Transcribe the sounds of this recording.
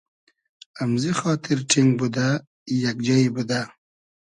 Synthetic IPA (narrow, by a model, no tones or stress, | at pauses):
amzixɔːt̪ʰɪɾʈʰiŋɡ̚bud̪a | jakd͡ʒaibud̪a